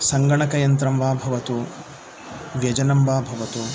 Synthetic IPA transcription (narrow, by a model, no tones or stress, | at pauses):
sɐŋɡɐɳɐkɐjɐnt̪ɾɐmʋaːbʱɐʋɐt̪u | ʋjɐd͡ʒɐnɐmbaːbʱɐʋɐt̪u